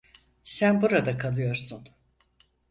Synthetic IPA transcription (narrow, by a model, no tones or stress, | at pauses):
sænbuɾad̪akʰalˠɯjo̞ɾsun